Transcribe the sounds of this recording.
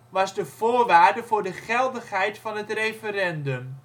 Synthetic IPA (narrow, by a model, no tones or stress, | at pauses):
ʋɑzdəv̥ʊːɹʋaːɹdəvʊːɹdəχɛlˠdəχɦɛjtfɑnɦətrejfəɾɛndɵm